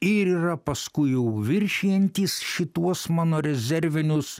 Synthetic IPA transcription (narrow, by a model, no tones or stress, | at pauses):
ɪɾiːɾɐpɐskʊɪjɛʊʋʲɪɾʲʃʲijɛnʲt̪ʲiːsʃʲɪt̪uɔsmɑːnoːɾʲɛzʲɛɾʲʋʲɪnʲʊs